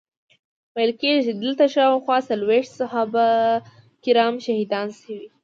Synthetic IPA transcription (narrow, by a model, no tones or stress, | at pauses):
majlkeʒʒid̪əlt̪aʃɑwxwɑsalweʂt̪sahaba | kɪɾɑmʃahid̪ɑnsəwi